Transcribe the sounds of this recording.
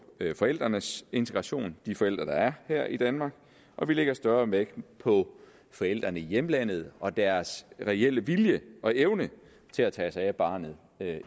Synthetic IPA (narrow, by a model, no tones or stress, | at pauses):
fɒ̽el̰d̥ʁɐnəse̝nt͡sʰeɡ̥ʁɑ̈ɕo̝̰ːnd̥ifɒ̽el̰d̥ʁɐd̥ɑ̈æɐhæɐ̰ʔid̥ænmɑ̈ɡ̥ | ʔɒ̽ʋile̝ɡ̥ɐsd̥ɶɐmeɡ̥pʰɒ̽ | fɒ̽el̰d̥ʁɐnəijemlæn̰ð̞̩ˠʔɒ̽d̥æɐsʁɛel̰əʋiljəʔɒ̽ʔeʊnə | t͡sʰe̝læt͡sʰɛːsɑ̈ɪæb̥ɑ̈ːnð̩ˠ | ø